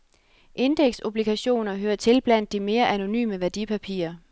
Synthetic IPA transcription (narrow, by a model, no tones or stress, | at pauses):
ʔe̝nd̥eɡ̥so̝b̥liɡ̥ʰæɕo̝̰ːnɐɦøːɐt͡sʰe̝lb̥læn̰d̥ːime̝ːɐʔæno̝ny̰ːməʋæɐd̥ipʰæpʰḭːɐ